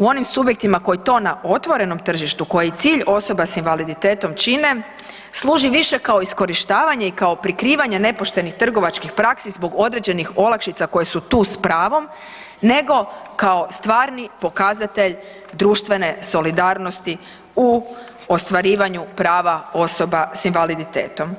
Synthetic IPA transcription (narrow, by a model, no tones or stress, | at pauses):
uo̞nimsubje̞k̚t̪imako̞jit̪o̞ːnaʔo̞t̪ʋo̞ɾe̞no̞mt̪r̩ʒiʃt̪uko̞jet̪siːʎo̞so̞basinʋalid̪it̪e̞ːt̪omt͡ʃine̞ | slˠuːʒiʋiʃe̞kao̞isko̞ɾiʃt̪aːʋaɲeikao̞pɾikɾiːʋaɲene̞po̞ʃt̪e̞nixt̪r̩ɡo̞ʋat͡ʃkixpɾaksizbo̞ɡo̞d̪ɾe̞d͡ʑe̞nixo̞lakʃit̪sako̞je̞sut̪uːspɾaːʋo̞m | ne̞ɡo̞kao̞st̪ʋaːɾnipo̞kaːzat̪e̞ʎ | d̪ɾuːʃt̪ʋe̞ne̞so̞lid̪aːɾno̞st̪i | u | ost̪ʋaɾiːʋaɲupɾaːʋao̞sobasinʋalid̪it̪eːt̪o̞m